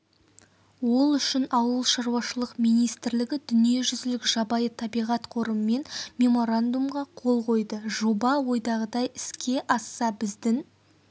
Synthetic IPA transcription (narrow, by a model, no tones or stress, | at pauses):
wo̞lˠʏʃɪnɑwəlˠʃɑɾwɑʃəlˠəqmijnijst̪ɪɾlɪɡʲɪd̪ʏnije̞ʒʏzɪlɪkʒ̥ɑbɑjət̪ʰɑbijʁɑt̪qʰo̞ɾəməme̞nmʲe̞mo̞ɾand̪umʁɑqʰo̞lˠqʰo̞jd̪əʒo̞bɑwo̞jd̪ɑʁəd̪ɑjɪ̥skʲʰe̞ʔɑsɑbɪzd̪ɪŋ